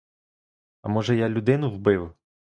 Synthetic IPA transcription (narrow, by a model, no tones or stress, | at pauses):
ɐ̰mɔʒɛjalʲʊd̪ɪnʊwbɪw